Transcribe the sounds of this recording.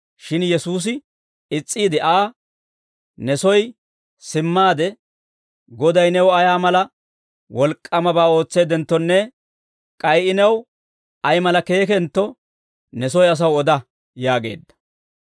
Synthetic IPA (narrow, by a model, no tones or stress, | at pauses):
ʃɪnjɛsuːs̬ɪ | ɪt͡sʼːiːd̪ɪʔaː | nɛsɔj | sɪmːaːd̪ɛ | ɡɔd̪ɐjnɛwɐjaːmɐlɐ | wɔlkʼːɐmɐbaːo̞ːt͡sːe̞ːd̪ɛnt̪ːɔnːɛ | kʼɐjɪnɛw | ʔɐjmɐlɐke̞ːk̬ɛnt̪ːɔ | nɛsɔjɐs̬ɐwɔd̪ɐ | jaːɡe̞̰ːd̪ːɐ̥